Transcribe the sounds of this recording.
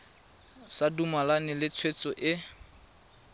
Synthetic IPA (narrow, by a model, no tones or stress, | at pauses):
sadumalanɪlɪt͡sʰwet͡sʼɔʔɪ